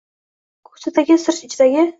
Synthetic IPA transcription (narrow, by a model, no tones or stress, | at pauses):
kʰɵ̥sad̪aɡʲɪsɪɾʃɪt͡ʃʰɪd̪aɡʲɪ